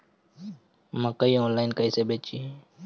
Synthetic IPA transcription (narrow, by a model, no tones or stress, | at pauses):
məkəiõːnlaːjɪnkəiseːbeːt͡ʃiː